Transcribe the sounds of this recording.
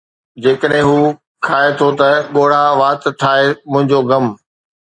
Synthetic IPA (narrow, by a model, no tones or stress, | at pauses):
d͡ʑeːkəɗɦɪ̃ɦuː | kʰaːet̪ʰot̪ɐɠoːɽ̤aʋaːt̪t̪ʰːaːemʊ̃ɦɪ̃ɲd͡ʑoɡɐm